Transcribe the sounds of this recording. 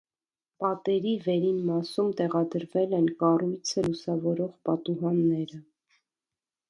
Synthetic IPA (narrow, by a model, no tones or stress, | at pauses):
pɑt̪ɛɾivɛɾinmɑsumt̪ɛʁɑd̪əɾvɛlɛnkɑrujt͡sʰəlusɑvɔɾɔʁpɑt̪uɦɑnːɛɾə